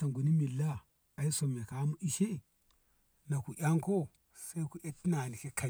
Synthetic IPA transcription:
ta˨ŋɡu˨ni˦mi˨lːa˦ | a˨i˦so˨m˨e˨ka˨˦mu˦ʔi˦ʃe˦˨ | na˨ku˨ʔʲa˦ŋko˦ | sa˦i˦ku˨e˦ti˦na˨ni˨ke˦ka˨

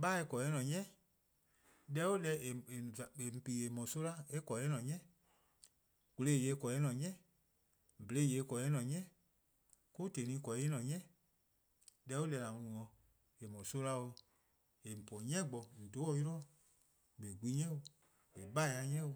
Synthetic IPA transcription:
ɓa˦e˧˦kɔ˨ɛ˦nɔ̃˨ɲɛ̃˦ | dɛ˦wo˦lɛ˧˦e˨e˨a˨e˨m̩˨pi˨e˨mɔ̃˨so˦la˦e˦kɔ˨ɛ˦nɔ̃˨ɲɛ̃˦˨ | ku˧le˦˨je˨˦kɔ˨ɛ˦nɔ̃˨ɲɛ̃˦˨ | be˨e˦˨je˨˦kɔ˨ɛ˦nɔ̃˨ɲɛ̃˦˨ | ku˦te˨nĩ˧˦kɔ˨e˦nɔ̃˨ɲɛ̃˦˨ | dɛ˧˦o˦lɛ˧la˨ŋũ˧ũ˨ŋɔ̃˧˨ | e˨mɔ̃˨so˦la˧˦wo˧ | e˨m̩˨pɔ̃˨ɲɛ̃˦ɡ͡bɔ˨n̩˨do˨˦ɔ˦i˦ɾɔ˦˨ | be˨ɡʷi˦ɲɛ̃˦wo˧ | e˨ɓa˦e˧a˧ɲɛ̃˦wo˧

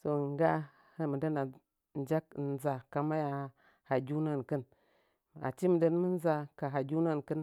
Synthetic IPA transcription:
so˨ŋ˦ɡa˦ | hə˦mə˨də˦na˨ | n˨˦d͡ʒa˦k̚n˨za˨ka˨ma˦ja˨˦ | ha˨d͡ʒu˦na˦˨nkə˦n | a̰˨t͡ʃi˦mə˨də˦n˦mə˦n˦za˦ka˨ɦa˨d͡ʒu˦na˦nkə˦n

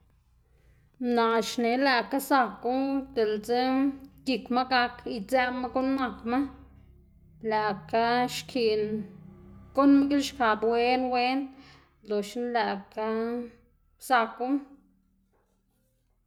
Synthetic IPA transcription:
na˨ʃne˨˦la˧ka˦sa˧ku˦d̪e˨lt͡se˦ɡi˧kma˦ɡa˧ki˧t͡sɛ˦ma˦ɡo˦nːa˧kma˦ | la˨ka˦ʃkʰi˨ʔn | ɡ̥o˦nm˦ɡi˦lʃka˨bwe˦nwe˦n | lo˨ʃnla˧ka˦ | sa˧ku˦

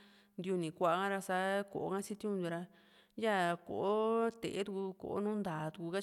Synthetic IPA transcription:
nd̪ju˧nĩ˨kʷa˧˨a˧kã˦ɾa˧sa˦ko̰˨o˦kã˦t͡ʃi˦t̪i˦ũ˧d̪u˧ɾa˧ | ja˦ko̰˨ʔo˦t̪ḛ˨e˦t̪u˧ku˧ko̰˨o˦nũː˦nd̪aː˨t̪u˧ku˧ka˦

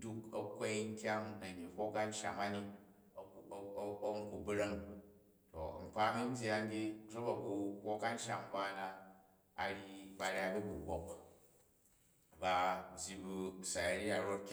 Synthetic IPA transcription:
du˦kɐ̰˦kʷe˦jn̩˦tʲa˦ŋna˨ɲi˨kʷo˦ka˦n̩˦ʃa̰˨ma˦ni˦˨˦ | ŋ˦ku˨bɾɐ˦ŋ | to̰˨ŋ͡m̩˨k͡pa˦mi˦n˦bʲi˦a˦n˦bʲi˦d͡zo˦ba˨ku˨ɸʷo˦ka˦n̩˦ʃa̰˨m˦ba˦na˧ | a̰˨ɾi˦ba˨ɾʲa˦bu˦bu˨ɡʷo˦k | ba˦bʲji˧bu˧sa˨ja˦ɾi˦a˨ɾo˦tkʲ

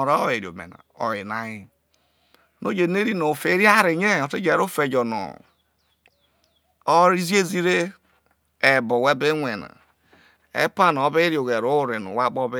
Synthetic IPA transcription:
ɾa˦e˨ɾo̰˨mḛ˨na̰˨o̰˨e˨na˦i˦ | no˦d͡ʒe˨ne˦ɾi˦no˨fe˦ɾi˦a˦ɾe˨ɲe˦˨o˨te˦d͡ʒe˨ɾo˦fe˨d͡ʒo˨no̰˨ | o˦ɾi˦zi˦e˦zi˦ɾe˦ | e˨bo˨we˦be˦ŋʷe˨na̰˨ | ḛ˦pa˦n˨o˦βe˦ɾi˨o˨ɣe˨ɾo˦ɾe˨no̰˨wa˦k͡pɔ˦be˦

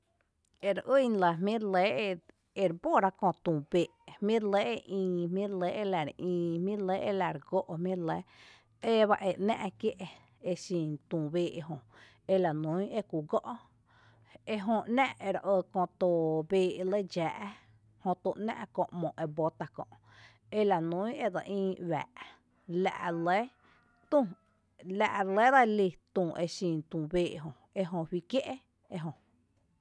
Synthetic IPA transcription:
e˧ɾʔə˦˨n˧la˨ɦmĩ˦ɾle˨˦˧ | e˧ɾbo˦˨ɾa˧kõ˧˨t̪ũː˨be˨ʔmmĩ˦ɾle˦ʔe˧ʔĩː˧mĩ˦ɾle˦ʔe˧la˨ɾʔĩː˧mĩ˦˧le˦ʔe˧la˨ɾɡo˦ʔmĩ˦ɾle˨˦ | e˦βa˦ʔe˧˨ʔnã̰˦ʔkje˦ʔe˧ | e˧sĩ˨nt̪ũː˨beː˧˨e˧ɦõ˧ | e˧la˨nũ˨˦e˦ku˨ɡɔ˦ʔ | e˧ɦõ˧ʔnã˦˧ʔʔe˧ɾʔə˧kõ˧t̪o˧beː˧˨e˧lə˦d͡ʒaː˨ʔ | hõ˧t̪o˧˨ʔnã̰˦ʔkõ˧ʔmõ˨ʔe˧bo˧t̪a˧kɔ̰̃˧ʔ | e˧la˨nũ˦e˦d̪ə˨ʔĩː˧wa̰ː˨ʔ | la̰˧ʔle˦ | t̪ũ˦˧˨ | la̰˧ʔle˦d̪a˧li˧˨t̪ũː˨ʔe˧ʃĩ˧˨nt̪ũː˨beː˧ʔɦõ˧ | e˧ɦõ˧hwi˧kje˦ʔe˦ | e˧ɦõ˧

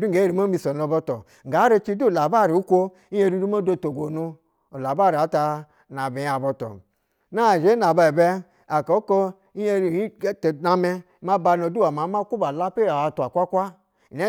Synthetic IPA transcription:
du˦˨ɡe˨˦e˦ɾi˨ma˦mi˧so˨no˨bɔ˧tɔ˨ | ŋ̩˨ɡa˨˦ɾe˦t͡ʃi˦du˦˨la˨ba˦˨ɾi˨u˦kʷo˦ | i˦je˦ɾi˦du˦ma˦do˦˨to˨ɡʷo˨nu˧ | o˨la˨ba˦˨ɾi˨a˨˦ta˧ | na˨be˨ja˨bɔ˨tɔ̰˨ | na˦˨ʒe˨˦na˨ba˨e˨be˦ | a˨ko˨˦ko˦ | i˦je˦ɾi˨i˦tna˧me˦ | ma˦ba˧no˨du˦a˨ma˨˦ma˦ku˦ba˨la˦pe˦ɾa˨a˨tu˨a˨kʷa˦kʷa˦˨ | ne˦

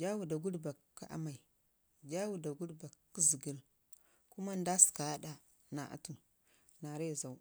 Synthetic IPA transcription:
d͡ʒa˦wu˨da˨ɡu˦dba˨kːa˦ʔa̰˦ma˨i˨ | d͡ʒa˦wu˨da˨ɡu˦dba˨kːi˦zi˨ɡi˦l | ku˦ma˦nda˦si̥˨ka˨˦da˨ | na˨ʔa̰˦tu˨ | na˨ɾe˦˨za˨u˦

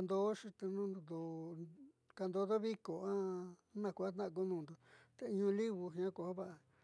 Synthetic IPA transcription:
nd̪o˦ʂi˧t̪e˧nũ˦n˨d̪o˨ | ka˧nd̪o˧ðo˦βi˦ko˨ã˦nã˧˨kʷa˦t̪nã˦ʔk̬u˦nũː˧˨nd̪o˨t̪e˧i˧ɲũ˧li˦βu˧ɦĩ˧ã˦ko˧˨ho˦βa˦˨ʔa˨

